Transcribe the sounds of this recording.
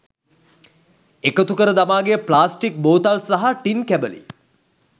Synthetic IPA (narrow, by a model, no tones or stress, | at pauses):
ekət̪ukəɾəd̪amaːɡejəplaːsʈik̚boːt̪alsaɦaʈinkæbəlḭ